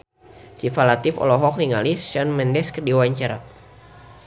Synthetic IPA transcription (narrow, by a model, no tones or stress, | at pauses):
sifalat̪ifɔ̰lɔɦɔk̚niŋalisʃanmɛndɛskərdiwaɲt͡ʃaɾa